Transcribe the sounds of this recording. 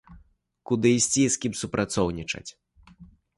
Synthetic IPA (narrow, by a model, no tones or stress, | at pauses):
kud̪ɨsʲt͡sʲiskʲimsupɾʔat̪sɔwnʲit͡ʂɐ̰t͡sʲ